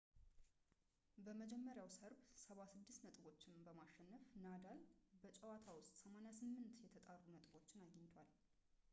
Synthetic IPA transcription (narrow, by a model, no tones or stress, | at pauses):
bəməd͡ʒɛmːəɾjawsəɾbsəβasɨd̪ːɨst̪nət̪ʼɨbo̞t͡ʃːɪnbəmaʃːɛnːəfnad̪albət͡ʃʼɛwat̪ʰawʊst̪ʼsəmanjasɨmːɨnt̪jɛt̪ʰət̪ʼarːunət̪ʼɨbo̞t͡ʃːɪnaɡəɲːɪt̪ʰwal